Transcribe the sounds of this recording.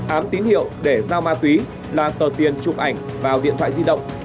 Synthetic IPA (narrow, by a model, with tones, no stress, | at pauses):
ʔaː˨˦mt̪i˨˦nhḭ˧˨əwɗe˧˩zaː˧wmaː˧t̪wi˨˦ | laː˨˩t̪əː˨˩t̪i˨˩ənt͡ɕʊ˨˩p̚ʔa˧˩jŋ̟vaː˨˩wḭ˧˨ənt̪waː˧˨zi˧ɗə̰˧˨wŋ͡m